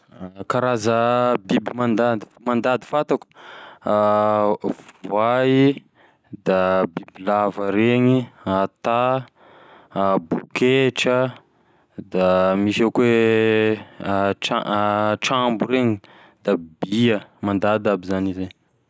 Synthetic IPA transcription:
kaɾazəbibimand̪ad̪imand̪ad̪i̥fat̪aku̥ | vai | d̪abibilavəɾeɲiat̪a | bukeʈ͡ʂə | d̪amiʃakwe | aʈ͡ʂambuɾeɲi | d̪̥abiəmand̪ad̪abizanize

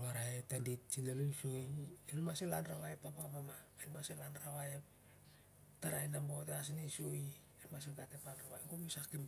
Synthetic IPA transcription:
waɾaetendit̚t͡ʃinelujsuielmaselanɾaβaepapapamaelumaselanɾaβaep | taɾajnamboteas̬inisui | elmasiɡatepanraβajŋɡomisakim

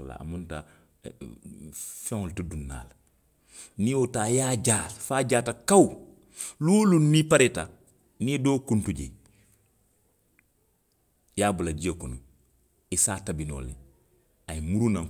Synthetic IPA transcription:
la̰ːmunta | fɛ̃ŋoltudunːa̰ːla | niotaːjaːɟaːfaːɟaːtakaw | luːlunːipaɾeta | niedoːkuntuɟḛ | jaːbulad͡ʒiekunu | isaːtabino̰ːle | aimuɾuna

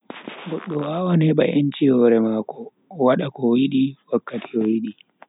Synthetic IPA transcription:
ɡɔɗːɔwaːwaneːba̰ʔɐnt͡ʃeːwɔɾɛmaːko | wɐɗakɔwiɗiwɐkːɐtiowiɗi

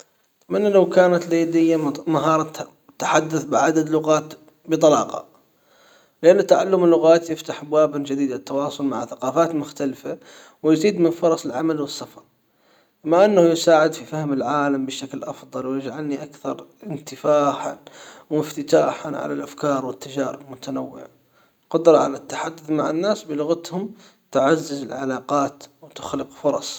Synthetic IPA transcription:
manːalawkaːnat̪leːd̪ɪjːamaɦɑːɾˤa | t̪ːḁħad̪ːaθbɪʕad̪ad̪lʊɣaːt̪ | bɨt̪ˤɑlɑ̰ːqɑ̰ | lɪʔanːʊt̪ːaʕalːʊmɪlːʊɣaːt̪jɪft̪aħabwaːbɪnd͡ʒad̪iːd̪at̪ːɑwɑːsˤʊlmaʕθaqɑːfaːt̪mʊxt̪alfa | wɪjɪziːd̪mɪnfʊɾˤɑsˤɪlʕamalwɪsːɑfɑɾˤ | ɪmaʔanːahʊjɪsaːʕɪd̪fifahmɪlʕaːlambɪʃaklʔɑfðˤɑlwjɪd͡ʒʕalniʔakθɑɾˤɪnt̪ɪfaːħa̰nwɪft̪ɪt̪aːħanʕa̰lalʔafkɑːɾˤwɪt̪ːad͡ʒaːɾɪbmʊt̪anawːɪ̰ʕa | qʊd̪ɾˤɑʕa̰lat̪ːḁħad̪ːʊθmaʕɪnːaːsbɪlʊɣat̪hʊm | t̪ɪʕazːɪzɪlʕalɑːqɑːt̪wt̪ʊ̥xlɪqfʊɾˤɑsˤ

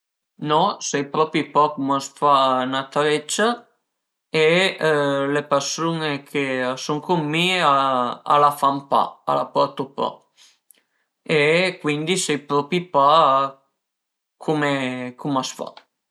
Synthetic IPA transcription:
nɔsɛjpɾɔpipakomasfanat̪ɾɛt͡ʃːa | e | lepersunekʰesoŋkʰomːiaa̰lafampa̰a̰lapɔɾt̪opa̰ | ekwind̪isɛjpɾɔpipa | kʰomekʰomasfa̰

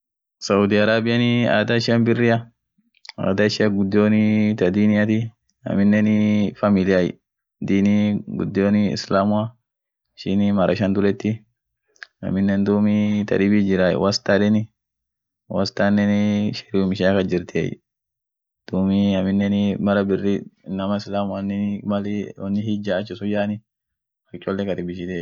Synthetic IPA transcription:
sɐʊd̪ɪɐɾaːbɪjɐnɪa̰ːd̪aɪʃɪɐmbɪrːɪjɐ | a̰ːd̪aɪʃɪɐɡʊd̪ːɪjoːnɪt̪ɐd̪iːnɪjat̪i | ɐ̰mɪnːɛnɪfɐmɪlɪjajɪ̰ | d̪iːniɡʊ̰d̪ːɪoːnɪɪ̰slaːmʊa | ɪʃɪnɪmɐɾʔɐ̰ʃɐnd̪ʊlɛt̪ːi | ɐ̰mɪnːɛnd̪uːmit̪ɐ̰ᶑɪbid͡ʒɪɾaj̰wɐst̪aᶑɛnɪ | wɐst̪anːɛnɪʃɛ̥ɾɪʊmɪʃaːkɐd͡ʒɪɾt̪ʰḛj̰ | d̪̥uːmiɐmɪnːɛnɪmɐɾɐbɪrːɪnɐmɐɪslaːmʊɐnːɪmɐlwɐnːɪhid͡ʒaːt͡ʃːɪsʊd͡ʒaːnɪ | fɐt͡ʃʼːɔlːɛkɐd̪ɪbɪʃɪd̪e

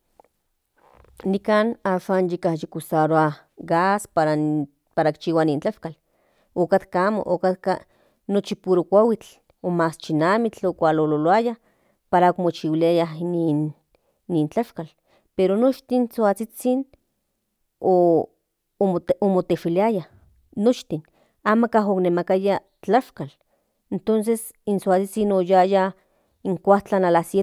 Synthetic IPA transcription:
nikaːnaːʃaːnjikahjikusaɾoa | ɡaspaɾa | paɾakt͡ʃiːwanint͡ɬaʃkal | okat̪kaaːmo̰ʔokat̪ka̰ | not͡ʃipuɾokʷawit͡ɬ | omaːst͡ʃinaːmit͡ɬokʷalololoaja | paɾaokmot͡ʃiwiliajaɦninː | int͡ɬaʃkal | peɾonot͡ʃt̪insoat͡sit͡sin | oː | momot̪eʃiliajah | not͡ʃt̪in | aːmakaɦoknemakaja | t͡ɬaʃkal | ent̪ons̬es | insoat͡sit͡sinojaja | iŋkʷaht͡ɬanalasje

